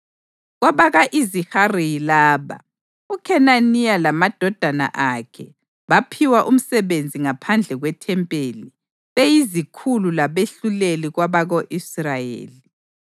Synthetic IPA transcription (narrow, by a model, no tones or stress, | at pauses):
ɣwaβaɣaʔiziharijilaːβa̰ | ukʰɛnanialamad̥ʱɔd̥ʱana̰ʔakʰɛ̰ | βapʰiwaʔum̩sɛβend͡zʱiŋapʰand͡ɮʱɛɣwɛtʰɛmpʼeːli | βejizikʰululaβeɬuleliɣwaβaɣoʔisrajḛːli